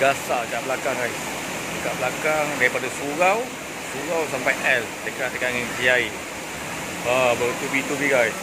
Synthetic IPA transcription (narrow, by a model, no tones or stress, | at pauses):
ɡasakaʔbəlakaŋɡajs | dəkaʔblakaŋdaɾipadasuɾaw | suɾawsampajʔɛldəkaʔdəkaŋŋsiai | abat̪ubit̪ubiɡajs